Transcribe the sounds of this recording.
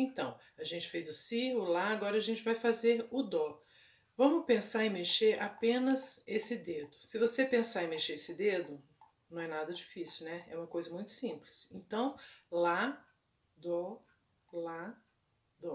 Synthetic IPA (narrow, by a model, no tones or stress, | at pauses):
ẽnt̪ɐ̃w̃ | aʒẽt͡ʃɪ̥fejzʊsiʊlaaɡɔɾɐːʒẽnt͡ʃɪvajfazeɾʊd̪ɔ | vɐ̃mʊpẽsaɾẽmeʃeɾʔapẽnɐzesɪd̪ed̪ʊsɪvosepẽsaẽmeʃeɾesɪd̪ed̪ʊ | nɐ̃w̃ɛnad̪ɐd͡ʒifisuwnɛɛ̰ũmɐkojzɐmũj̃t̪ʊ̥sĩplɪsẽnt̪ɐ̃w̃la | d̪ɔ | la | d̪ɔ